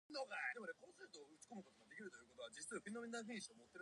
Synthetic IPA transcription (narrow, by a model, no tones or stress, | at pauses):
noɡad̪emod̪ekõ̞ɰ̃seɾɯt̪oːɯ̟t͡ɕi̥ko̞mɯ̟ko̞t̪oɡad̪e̞kʲiɾɯ̟t̪o̞jiɯ̟kot̪oβad͡ʑit͡sɨaɸɯinomĩnːaɸĩɕiomot̪ːe̞ɾ